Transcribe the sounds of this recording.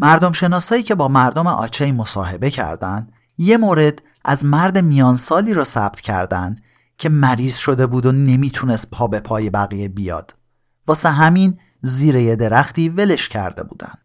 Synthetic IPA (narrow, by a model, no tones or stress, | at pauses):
mæɾd̪o̞mʃe̞nɒːsɒːiːcʰe̞bɒːmæɾd̪omḛʔɒ̰ːt͡ʃʰejmo̞sɒ̰ːɦe̞be̞cʰæ̰ɾd̪ænd̪ | je̞moːɾe̞d̪̥ | ʔæzmæɾd̪e̞mijɒːnsɒːliːɾɒːsæb̥̚t̪ʰcʰæ̰ɾd̪ænd̪̥ | cʲʰe̞mæɾiːz̥ʃo̞d̪e̞buːd̪one̞miːt̪ʰunest̪̚pʰɒːbe̞pʰɒːje̞bæɣije̞bijɒ̰ːd̪̥ | vɒːseɦæmin | ziːɾejed̪e̞ɾæxt̪iːve̞le̞ʃcʰæ̰ɾd̪e̞̰bṵːd̪æ̰nd̪̥